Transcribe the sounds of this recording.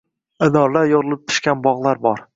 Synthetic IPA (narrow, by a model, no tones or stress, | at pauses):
ɪnɒɾlaɾjoɾɨlˠɪp̚t̪ʰʊ̥ʃkʲanbɒʁlˠaɾbɒɾ